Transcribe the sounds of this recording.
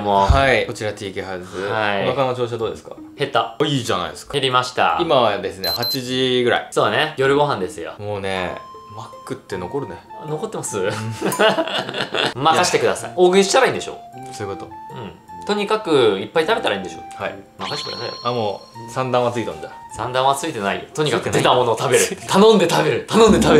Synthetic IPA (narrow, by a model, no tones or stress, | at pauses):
mohaiko̞t͡ɕiɾat̪ʲiːkʲihazɨaionakanot͡ɕo̞ːɕ̬ad̪o̞ːd̪e̞sɨ̥ka̰ | he̞t̪ːaiːʑa̰na̰ḭesɨ̥kḁeɾʲimaɕi̥t̪a̰imaβad̪e̞sɨne̞̰hat͡ɕiʑiɡɯ̟ɾa̰iso̞ːne̞jo̞ɾɯ̟ɡo̞ɦãnd̪e̞sɨjo̰mo̞ːnḛ | makːɯ̟t̪ːe̞no̞ko̞ɾɯ̟ne | no̞ko̞t̪ːe̞masɨ | makaɕi̥t̪e̞kɯ̟d̪asa̰io̞ːɡɯ̟iɕi̥t̪aɾaĩnd̪e̞ɕo̞̰ːsoɯ̟kot̪oɯ̟̃ɴ | t̪o̞ɲ̟ikakɯ̟ipːait̪abe̞t̪aɾaĩnd̪e̞ɕo̞̰ːhaḭmakaɕi̥kɯɾa̰naamosãnd̪ãɰ̃at͡sɨit̪õnd̪asãnd̪ãɰ̃at͡sɨit̪e̞naḭt̪o̞ɲ̟ikakɯ̟d̪e̞t̪amo̞no̞ːt̪abe̞ɾɯ̟t̪anõnd̪e̞t̪abe̞ɾɯ̟t̪anõnd̪et̪abe